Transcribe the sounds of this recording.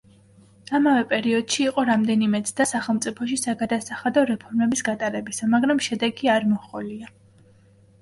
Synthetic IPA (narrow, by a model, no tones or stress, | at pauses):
amavɛpʼɛɾiɔd̪̥ʃiːqʼɔɾamd̪ɛnimɛt̪sʰd̪asaχɛlˠmt̪sʼipʰɔʃisaɡad̪asaχad̪ɔɾɛpʰɔɾmɛbisɡat̪ʼaɾɛbisamaɡɾamʃɛd̪ɛɡiaɾmɔχɔlia